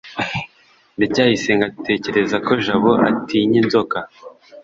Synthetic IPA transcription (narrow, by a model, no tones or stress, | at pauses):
nicaːhise̞ŋɡatʰe̞ːce̞ɾe̞zako̞ʒaβoʔa̰tiɲinzo̞ka